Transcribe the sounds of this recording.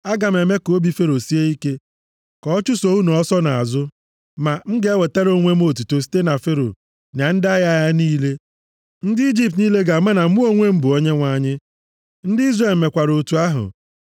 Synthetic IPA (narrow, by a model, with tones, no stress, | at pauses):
a˦ɡa˨m˨e˨me˦ko˨˦bi˦fe˦ɾo˨si˦e˦i˦ke˦ | kɔ˨ɔ˦t͡ʃu˦so˨˦u˦nɔ˨ɔ˦sɔ˦na˨a˨zʊ˦ | ma˨ŋ̩˦ɡe˨˦e˦we˨te˦ɾo˦ŋʷe˦m˦o˦˨tu˨to˨si̥˦te˦na˨fe˦ɾo̰˨ | na˨n̩˦da˦ja˦˨ja˦niː˦le˦ | n̩˦dɪ˦i˦d͡ʒi˦p̚tniː˦le˦ɡa˨˦ma˦na˨˦mu˦o˦ŋʷe˦m̩˦bʊ˨o˦ɲe˦ŋʷa˨ɲɪ˦ | n̩˦dɪ˦i˦zre˦˨lm̩˨me˨kʷa˨ɾo˨tu˨a˦ɦʊ̰˨